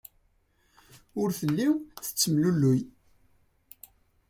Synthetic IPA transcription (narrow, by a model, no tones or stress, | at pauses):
ʊɾθəlːiwθə̥t͡sːəmlulːʊj